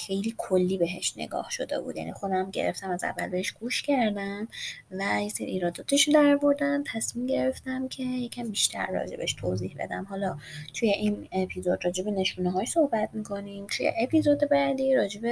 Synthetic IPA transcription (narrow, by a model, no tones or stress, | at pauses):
xe̞jliːkʰolːiːbe̞ɦḛʃnḛɡɒ̰ːhʃo̞̰d̪e̞̰bṵːd̪jæ̰nixo̞d̪æmɟe̞̰ɾḛft̪æmæzæ̰vːæ̰lbeheʃɡ̥uːʃcʰæɾd̪æmvæjeseɾḭiːɾɒːd̪ɒːt̪ʰeʃod̪æɾbo̞ɾd̪ænt̪ʰæsmimɟe̞ɾe̞ft̪æmcʰe̞jecʰæmbiʃt̪ʰæ̰ɾːɒ̰d͡ʒe̞̰beʃt̪ʰoziːhbe̞̰d̪æmhɒːlɒt̪ʰujeʔinepʰizo̞d̪rɒːd͡ʒe̞be̞ne̞ʃuːneɦɒːʃso̞hbæt̪miːkʰo̞nimt̪ʰujḛʔepizo̞d̪e̞bæd̪iːɾɒːd͡ʒe̞be